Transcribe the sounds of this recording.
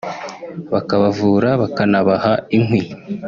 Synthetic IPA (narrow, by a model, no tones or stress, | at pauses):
βakaβavuːɾaβakanaβahaiŋwi